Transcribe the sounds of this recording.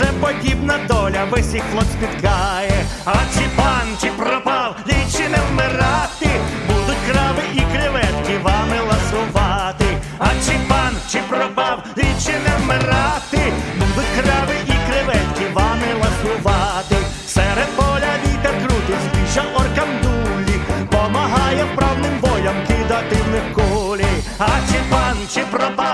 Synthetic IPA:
ɛpɔdʲibnɐd̪ɔlʲɐʋɪsʲixlˠɔsʲpʲit̪kɑjɛɐt͡ʃɪpɑnt͡ʃɪpɾɔpɑwlʲit͡ʃɪnɛwmɪɾɑt̪ɪbud̪ʊtʲkɾɑʋɪʔikɾɪʋɛt̪kɪʋɑmɪlˠɐsʊʋɑt̪ɪ | ɐt͡ʃɪpɑnt͡ʃɪpɾɔpɑwlʲit͡ʃɪnɛwmɪɾɑt̪ɪbud̪ʊt̪̚ʲkɾaʋɪʔikɾɪʋɛt̪kiʋamɪlˠɐsʊʋat̪ɪ | sɛɾɛpɔlʲad̪it̪ɛkɾut̪ɪzbiʃɐʔɔɾkɐmd̪ulʲːipɔmɐɦajɛpɾawnɪmbɔlʲɐmkɪd̪at̪ɪnɪkolʲɪ | at͡ʃɪpant͡ʃɪpɾɐba

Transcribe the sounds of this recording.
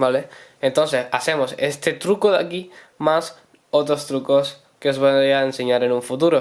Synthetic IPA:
baleent̪onsθesasemosest̪et̪ɾukoðaki | mas | ot̪ɾost̪ɾukos | keozβoaenseɲaɾenũɱfut̪uɾo

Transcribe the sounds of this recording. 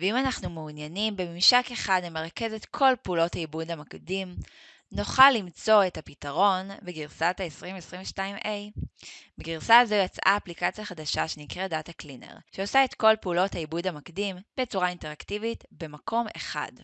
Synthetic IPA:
veimanaχnumeunjanimbemimʃake̞χadlemeʁake̞zetkʰo̞lpeulo̞thaibudhamakdim | no̞χalːimt͡so̞e̞thapitaʁo̞nbeɡiʁsataesʁimesʁĩɱveʃtaimʔejbeɡiʁsazojat͡sa̰ːplikat͡sjaχadaʃaʃe̞nikʁedataklinḛʁʃeosaetko̞lpeulo̞thaibudhamakdimbet͡suʁainte̞ʁaktivitbe̞makʰo̞mḛχa̰d

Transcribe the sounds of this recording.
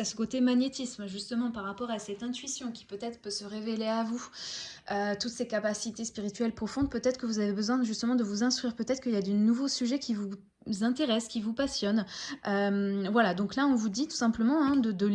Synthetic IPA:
asə̥kot̪emaɲjet̪ismʒyst̪əmɑ̃paʁːapɔʁasɛt̪ɛ̃t̪ɥisjɔ̃kʲi̥pøt̪ɛt̪χə̥pøsəʁeveleavu | øt̪ut̪sekapasit̪espiʁit̪ɥɛlpχɔfɔ̃d̪̚pøt̪ɛt̪χəkəvuzavebəzwɛ̃ʒyst̪əmɑ̃d̪əvuzɛ̃st̪χɥiʁpøt̪ɛt̪χə̥kəiljad̪enuvosyʒɛkʲivu | zɛ̃t̪eʁɛskʲivupasjɔnømvwalad̪ɔ̃klaɔ̃vud̪it̪u̥sɛ̃pləmɑ̃ɛ̃d̪əd̪ə

